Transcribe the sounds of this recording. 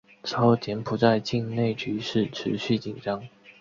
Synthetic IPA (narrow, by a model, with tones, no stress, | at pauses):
ʈ͡ʂ̩ʰ˧˥o˥˩ʊt͡ɕjɛ˧˥npʰu˨˩t͡sa˥˧ɪt͡ɕi˥˧ŋne˥˩ɪt͡ɕy˧˥ʂɻ̩˥˩ʈ͡ʂʰɻ̩˧˥ɕy˥˩t͡ɕi˨˩ŋʈ͡ʂɑ˥ŋ